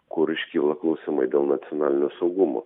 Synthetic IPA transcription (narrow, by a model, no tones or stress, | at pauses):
kʊɾɪʃʲkʲilˠɐknˠuːsʲɪmɐɪd̪ʲeːlˠnɐt̪sʲɪonɑːlʲɪnʲoːsɐʊɡʊmo̰ː